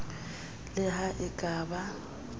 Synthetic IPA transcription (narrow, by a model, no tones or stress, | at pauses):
lɪɦaʔɪkʼaːba